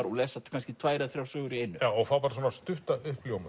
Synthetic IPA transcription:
ɾɔ̰ɣlɛːsat̪kʰanscɪt̪ʰvaːjɾaðθɾjawsœːɣʏɾiejnːʏjawɔɣθawpaːɾaswɔnast̪ʏht̪aʏhpljowmʏ

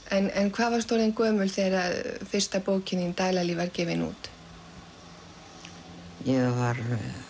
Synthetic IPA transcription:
ɛnɛ̰nkʰvaːðvaɾ̥st̪ʰoɾejnkœːmʏlθeɾaðfɪr̥st̪apoːwcʰɪnint̪aːjlalivaɾ̥cɛːvɪnṵːt̪ | jɛɣvaɾ

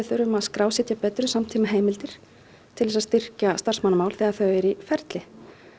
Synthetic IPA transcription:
ɪθœɾʏmaðskɾaːwsɛt̪japɛːt̪ɾʏsamt̪ʰiːmaɦeːjmɪlt̪ɪɾ̥ | t̪ʰɪlɛsast̪ɪr̥cast̪ar̥smanːmaːwlθɛːɣaθœɥɛɾifɛɾt̪lɪ

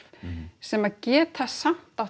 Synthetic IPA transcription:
sɛmaðcɛːt̪θaðsam̥t̪aw

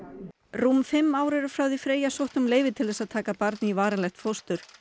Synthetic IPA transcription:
ruːmfɪmːaːwɾɛɾʏfɾaːwðifɾeːjasowht̪ʏmleːjvɪt̪ʰɪlθɛsaðt̪ʰaːkapaɾt̪nɪivaːɾalɛjht̪fost̪ʏɾ̥

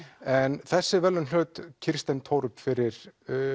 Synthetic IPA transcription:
ɛnθɛsːɪvɛlːʏnlœːt̪cʰɪɾ̥st̪ɛnt̪ʰoːwɾʏpfɪɾɪɾ

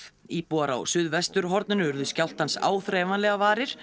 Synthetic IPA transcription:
ipɔaɾa̰wsʏðvɛst̪ʏɾɦɔɾt̪nʏnʏʏɾðʏscjaw̪t̪hansa̰ːwθɾɛːvanlɛːɣavaːɾɪɾ̥

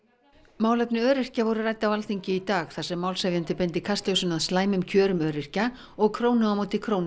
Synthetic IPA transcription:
maːwlɛpnɪœːɾɪr̥cavɔɾʏraːjt̪awalθiɲcɪit̪aːxθasɛmːaːwlsavjant̪ɪpɛnt̪ɪkʰast̪lœsʏnaðslaːjmʏmcʰœːɾʏmœːɾɪr̥ca | ɔɣkʰɾoːwnʏawmoːwt̪ɪkʰɾoːwn

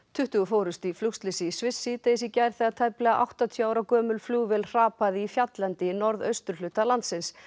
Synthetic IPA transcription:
t̪ʰʏht̪ʏɣʏfoːwɾʏst̪iflʏkst̪lɪsɪisvɪsːiːt̪esicajɾ̥θɛɣat̪ʰajplɛɣaʔa̰wht̪at̪ʰjɔaːwɾawkœːmʏlfluːvɛlr̥aːpaðɪifjat̪lant̪ɪnɔɾðœ̰ɥst̪ʏɾ̥lʏːt̪alant̪sɪns

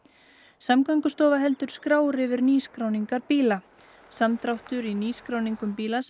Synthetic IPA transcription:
samkaŋkʏst̪ɔːvaɦɛlt̪ʏɾ̥skɾaːwɾɪvɪɾniːskɾawniŋkaɾpiːla | samt̪ɾawht̪ʏɾiniːskɾaːwniŋkʏmpiːlas

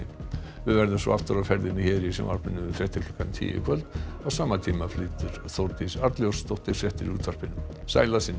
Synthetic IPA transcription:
vɪðvɛɾðɪmsɔ̰aft̪ʏɾafɛɾðɪnːɪçɛːɾisɛ̰ma̰ɾ̥pɪnːʏfɾɛht̪ɪkʰlʏkːant̪ʰḭːjɪ̰kʰvœlt̪ɔɣsaːmat̪ʰiːmafliːt̪ʏɾ̥θɔwɾt̪isaɾt̪ljɔwst̪owht̪ɪɾ̥fɾɛht̪ɪɾuːt̪ʰar̥pɪnːʏm | sa̰ːjlasɪnː

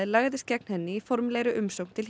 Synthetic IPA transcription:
ɪlaɣðɪscɛk̚n̥hɛnːɪifɔɾmlejɾʏʔʏmsowkn̥t̪ʰɪl

